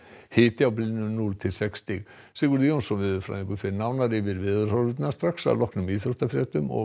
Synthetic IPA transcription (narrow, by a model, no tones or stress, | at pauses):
hɪːt̪ɪawplinʏnult̪ʰɪlsɛkst̪ɪɣ | sɪkʏɾðijownsɔnvɪðfɾa̰ðiŋkʏfɪɾnawnaɾɪvɪɾvɪðʏr̥haɾʏt̪nast̪ɾaxsa̰ðlɔhknʏmiːθɾuht̪afɾɛːt̪ʏmɔ̰